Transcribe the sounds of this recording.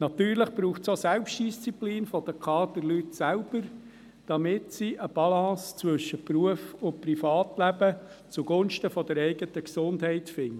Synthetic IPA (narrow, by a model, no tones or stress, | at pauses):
nɑt̪yːɾləχb̥ɾuːχsosɛlpʃtd̥ist͡sipliːnfɔd̥̪əkʰɑːdəɾlytsælb̥əɾ | d̥ɑmɪtsiʔəb̥ɑlɑ̃ːst͡sʋɵʃːəpɾuəfʊprifɑːt̪læbə | t͡suɡ̥ʊnʃtəfɔd̥̪əɾɛɪɡətəksʊndhɛɪtfɪŋ